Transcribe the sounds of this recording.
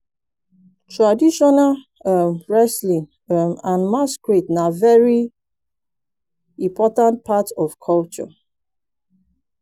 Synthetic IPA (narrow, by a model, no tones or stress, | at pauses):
tʰɹadiʃɔnal | əmɹɛslĩŋ | əmãnmaskɹitnavɛɹi | ĩmpʰɔtãnt̚pʰatɔvkʰɔlt͡ʃɔ̰